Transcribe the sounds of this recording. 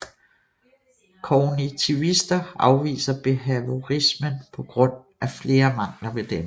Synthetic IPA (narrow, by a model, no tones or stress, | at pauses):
kʰɒnit͡sʰiʊisd̥ɐɑ̈ʊʋḭːsɐb̥e̝ɦæʋo̝ʁismənpʰɒ̽ɡ̥ʁɔ̽n̰ | ʔæfle̝ːɐmɑ̈ŋ̰lɐʋe̝d̥em